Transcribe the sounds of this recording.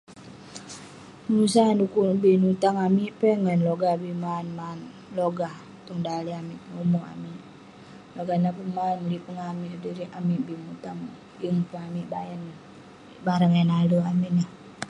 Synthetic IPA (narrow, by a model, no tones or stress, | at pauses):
musandukubinut̪aŋamiʔpɛŋanloɡabimanman | loɡah | t̪ɔŋdaliamiʔnomua̰miʔ | loɡanapəmanlipəŋamiʔdiɾiamiʔbimut̪aŋ | jəŋpəŋamiʔbajɛn | baɾəŋɛnaluamiʔna